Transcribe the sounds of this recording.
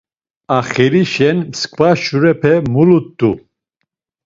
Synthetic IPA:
aχiɾiʃɛnmskʰʼvaʃuɾɛpʰɛmulut̪ʼːu

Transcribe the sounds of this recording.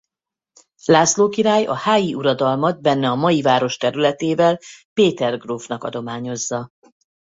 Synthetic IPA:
laːsloːkiɾaːjɒ̰haːjiʔuɾɒd̪ɒlmɒd̪̚bɛnːɛɒmɒjivaːɾo̞ʃt̪ɛɾylɛt̪eːvɛlpeːt̪ɛrɡruːvnɒkɒ̰d̪o̞maːɲo̞zːɒ

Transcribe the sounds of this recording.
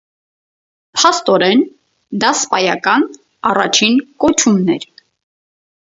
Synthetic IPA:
pʰɑst̪ɔɾɛn | d̪ɑspɑjɑkɑn | ɑrɑt͡ʃʰinkɔt͡ʃʰumnɛɾ

